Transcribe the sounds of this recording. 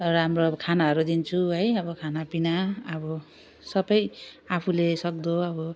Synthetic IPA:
rɦamrokʰanaɦʌɾud̪int͡sʰuɦʌjʌbʌkʰanapinaʌbʌ | sʌbʌj | apʰulesʌk̚d̪oʌbʌ

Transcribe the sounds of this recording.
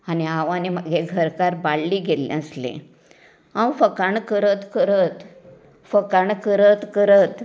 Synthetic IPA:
aniaʋaniməɡeɡʱəɾkaɾbaɽliɡelḛ̃əslḛ̃ | ãwfəkaɳkəɾət̪kəɾət̪ | fəkaɳkəɾət̪kəɾət̪

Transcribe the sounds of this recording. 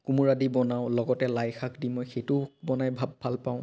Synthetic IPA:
kumuɹadibɔnaʊ̃lɔɡɔtɛlajxakdimɔjxejtʊbɔnajbʱabʱalpaʊ̃

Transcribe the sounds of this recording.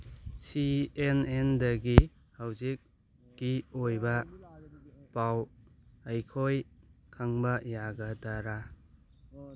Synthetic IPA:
sienendɐɡi | hawzik̚ | ɡiojbɐ | pawɐjkʰojkʰaŋbɐjaɡɐdaɾa

